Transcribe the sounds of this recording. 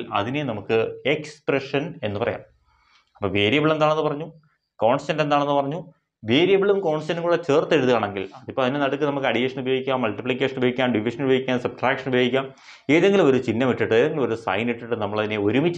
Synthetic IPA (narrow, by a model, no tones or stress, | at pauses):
ɐ̰ðine̞nɐmukːɨekspreʂɐne̞̰nːɨpɐrɐ̰ja̰ːm | ɐpːoːʋeːɾijɐbiɭe̞nd̪aːɳenːɨpɐrɐɲːu | ko̞ːɳstɐnde̞nd̪aːɳe̞nːɨpɐrɐɲːu | ʋeːɾijɐbiɭumko̞ːɳstɐniŋkuːɽet͡ɕeːrt̪ːe̞ɻuðuɣaːɳe̞ŋɡḭlɐðipːoɭɐðinenɐɽukːɨnɐmukːɨɐɽijeːʂɐnubɐjoːɡikʲːaːmːɐlʈipɭikʲːe̞ːʂɐnubɐɡikʲːaːmɖiʋiʂɐnubjoɡikʲːaːnsɐbʈraːkʂɐnubɐjoːɡikʲːaːm | eːðeŋɡilumo̞ɾut͡ɕinːɐmiʈːiʈːɨeːðeŋɡilumo̞ɾusɐ̰jniʈːiʈːɨnɐmːɐɭɐðine̞o̞ɾumit͡ɕː